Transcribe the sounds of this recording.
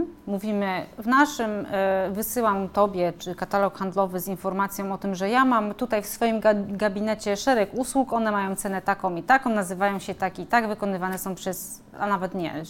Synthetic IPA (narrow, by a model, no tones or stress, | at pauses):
muvʲimɘvnaʂɘmvɘsɘwamt̪ɔbʲjɛt͡ʂɘkat̪alɔkxand̪lɔvɘzinfɔɾmat̪sʲjɔ̃w̃ɔt̪ɘmʐɛjamamt̪ut̪ajfsfɔjimɡɡabʲinɛt͡ɕɛʂɛɾɛkuswukɔnɛmajɔ̃w̃t̪sɛnɛt̪akɔ̃wmit̪akɔ̃w̃nazɘvajɔ̃w̃ɕɛt̪akʲit̪aɡvɘkɔnɘvanɛsɔ̃w̃pʂɛs | a̰navɛt̪ɲɛ̰